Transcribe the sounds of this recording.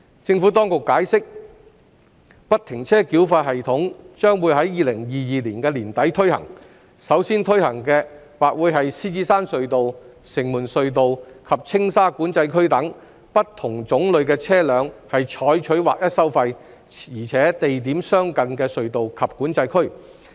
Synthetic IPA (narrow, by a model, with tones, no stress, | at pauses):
t͡sɪ˧ŋfu˨˥t̪ɔː˥ŋkʊ˨kːaː˨˥jsɪ˥k̚ | pɐ˥t̚t̪ʰɪ˨˩ŋt͡sʰɛː˥kiː˨˥wfaː˧t̚ɦɐ˨jt̪ʰʊ˨˥ŋt͡ʃœː˥ŋwuː˨˧jɦɐ˨˥jːiː˨˧lɪ˨˩ŋjiː˨˧jiː˨liː˨˩nkɛː˧liː˨˩nt̪ɐ˨˥jt̪ʰɵ˥ɥhɐ̰˨˩ŋ | sɐ˨˥wsiː˥nt̪ʰɵ˥ɥhɐ˨˩ŋkɛː˧ | waː˨k̚wuː˨˧˥jɦɐ˨jsiː˥t͡siː˥saː˥nsɵ˨˧ɥt̪o˨wsɪ˨˩ŋmuː˨˩nsɵ˨ɥt̪̬o˨wkʰɐ˨p̚t͡sʰɪ˥ŋsaː˥kuː˨˥nt͡sɐ˧jkʰɵ˥ɥt̪ɐ˨˥ŋ | pɐ˥tt̪ʰːʊ˨˩ŋt͡sʊ˨˥ŋlɵ˨ɥkɛː˧t͡sʰɛː˥lœː˨˧ŋhɐ˨jt͡ʃʰɔː˨˥jt͡ʃʰɵ˨˥ɥwa̰ː˨k̚jɐ˥t̚sɐ˥wfɐ˧j | iː˨˩t͡sʰɛː˨˥t̪e˨jt̪̬iː˨˥msœː˥ŋkɐ˨nkɛː˧sɵ˨ɥt̪o˨wkʰɐ˨p̚kuː˨˥nt͡sɐ˧jkʰɵ˥ɥ